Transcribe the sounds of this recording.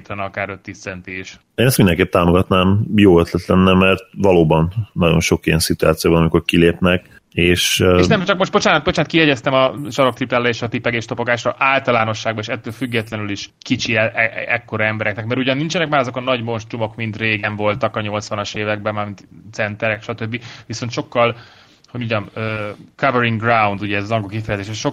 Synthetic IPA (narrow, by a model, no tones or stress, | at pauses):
t̪ʰɛnɒkaːɾøt̪ːiːssɛnt̪eːʃ | eːnɛst̪ind̪ɛŋkeːp̚t̪aːmoɡɒt̪naːmjoːøt̪lɛt̪lɛnːɛmɛrt̪vɒloːbɒnːɒɟo̞̰nʃo̞kijɛnsit̪uaːt̪sijoːbɒnɒmiko̞rkileːpnɛk | eːʃeʃnɛmt͡ʃɒk̚mo̞ʃt̪bo̞t͡ʃaːnɒt̪̚bo̞t͡ʃaːnt̪kiɦɛɟɛst̪ɛmɒʃɒɾo̞kt̪riplaːɾɛeːʃɒt̪ipɛɡeːʃt̪o̞po̞ɡaːʃrɒʔaːlt̪ɒlaːno̞ʃːaːɡbɒeːʃɛt̪ːøːlfyɡːɛt̪lɛnyliʃkit͡ʃiɛɛkːo̞ɾɒɛmbɛɾɛknɛkmɛɾuɟɒnːint͡ʃɛnɛkmaːɾɒzo̞kɒnɒɟmo̞nʃt̪rumo̞kmint̪reːɡɛɱvo̞lt̪ɒkɒɲo̞lt̪sʋɒnɒʃeːvɛɡ̚bɛmaːmint̪t̪sɛnt̪ɛɾɛkʃɒt̪øbːiʋiso̞nt̪ʃo̞kːɒl | hoɟuɟɒmøːkɒvɛɾiŋɡrawnd̪uɟɛːzɒzɒŋɡokifɛjɛzeːʃɛʃo